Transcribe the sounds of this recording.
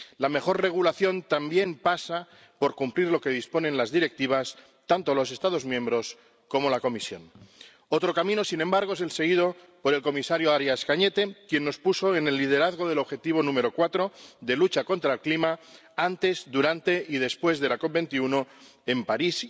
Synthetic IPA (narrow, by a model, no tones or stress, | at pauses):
lame̞xo̞ɾre̞ɣ̞ulaθjo̞nt̪ambje̞mpasa | po̞ɾkumpliɾlo̞ke̞ð̞ispo̞nẽ̞nlazðiɾe̞k̚t̪iβ̞as | t̪ant̪o̞lo̞s̬e̞st̪að̞o̞zmjẽ̞mbɾo̞s | ko̞mo̞lako̞misjo̞̰n | o̞t̪ɾo̞kamĩno̞sinẽmbaɾɣ̞o̞e̞s̬e̞lse̞ɣ̞iðo̞ | po̞ɾe̞lko̞misaɾjoaɾjaskaɲe̞t̪e̞kje̞nːo̞spuso̞e̞ne̞lːið̞e̞ɾaðɣ̞o̞ð̞e̞lo̞βxe̞t̪iβ̞o̞nũme̞ɾo̞kwat̪ɾo̞ðe̞lut͡ʃako̞nt̪ɾaelklima | ant̪e̞zðuɾant̪e̞ið̞e̞spwe̞zðe̞lako̞p̚be̞nt̪iuno̞ | e̞mpaɾis